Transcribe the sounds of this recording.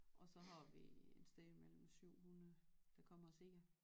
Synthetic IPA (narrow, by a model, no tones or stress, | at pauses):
ʔɒ̽sɒ̽ɦɑ̈ʋiensd̥eðjəmel̰m̩syʊ̰hunɐð̩ˠd̥ɑ̈kʰɒ̽m̰ɐse̝ɡ̥ɐ